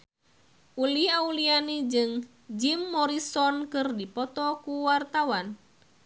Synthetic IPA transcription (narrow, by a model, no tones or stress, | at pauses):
ʔuliaulianid͡ʒɨŋ | d͡ʒimːɔɾisɔnkɨrdipɔt̪ɔkuwart̪awan